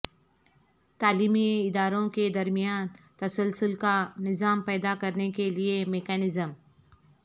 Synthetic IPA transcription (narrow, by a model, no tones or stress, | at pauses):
t̪aːliːmiɪd̪aːɾõked̪ɐɾmijaːnt̪ɐsəlsʊlkanɪzaːmpɛːd̪akɐɾnekeliemekɛːnɪzəm